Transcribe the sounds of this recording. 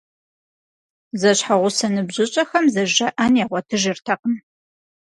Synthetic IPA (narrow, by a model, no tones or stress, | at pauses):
zɐɕħaʁʷʊsɐnɨbʑɪɕʼɐxɐmzɐʑɐʔɐnjaʁʷɔtʰɨʒɪrtʰɐqən